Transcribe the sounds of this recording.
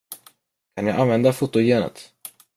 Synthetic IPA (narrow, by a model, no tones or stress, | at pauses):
kʰanja̰ːʔanvɛnd̪afʊt̪ːʊjeːnə̰t̪